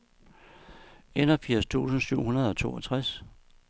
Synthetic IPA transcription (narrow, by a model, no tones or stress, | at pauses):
enɐfiɐ̰st͡sʰṵːsn̩syʊ̰hunɐð̞ˠɒ̽t͡sʰo̝̰ːɒt͡sʰʁas